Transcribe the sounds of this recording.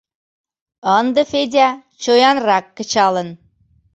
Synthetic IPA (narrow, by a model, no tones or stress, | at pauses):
ɑnd̪ə̆fed̪ʲæ | t͡ɕojɑnrɑkːə̆t͡ɕɑlə̆n